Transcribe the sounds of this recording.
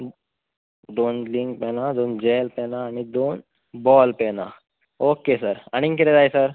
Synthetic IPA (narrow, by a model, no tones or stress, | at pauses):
d̪onliŋk̚pɛnad̪ond͡ʑelpɛnaːɽ̃id̪on | bɔlpɛna̰ | okesəɾañiŋkiɾed͡zajsəɾ